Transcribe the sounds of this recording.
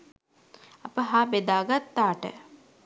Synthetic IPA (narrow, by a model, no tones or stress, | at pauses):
ɐpəɦaːbed̪aːɡat̪ːaːʈə̰